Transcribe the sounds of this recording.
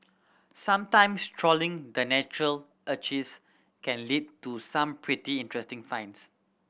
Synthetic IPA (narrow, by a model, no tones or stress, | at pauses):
sãmtãɪ̃mstʰɹɔlĩŋdənɛt͡ʃɹəl | ʔət͡ʃis | kɛ̃nlid̚tusãmpʰɹitiĩntɹɛstɪ̃ŋfãɪ̃ns